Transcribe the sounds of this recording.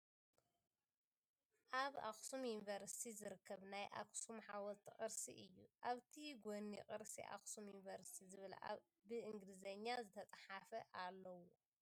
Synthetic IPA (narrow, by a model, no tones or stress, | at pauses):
ʔaβa̰xʼsumjunvɐɾsi̥t̪ʰizɨɾɨkʰːɐβnajʔa̰kʼsumħawɐlt̪ʰiχʼɨɾsḭʔɨjːuʔaβt̪ʰiɡʷoniqʼɨɾsḭʔa̰xsumjunvɐɾsi̥t̪ʰizɨβɨla̰ | bɨʔɨŋɡlizɐɲːazɨt̪ʰɐt͡sʼħafɐʔalːɐwo